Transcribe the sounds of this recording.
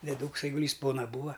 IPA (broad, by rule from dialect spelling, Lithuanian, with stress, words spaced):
dʲɛˈduːks ɐɪɡʊˈlʲiːs ˈpoːnɐ ˈbuːɐ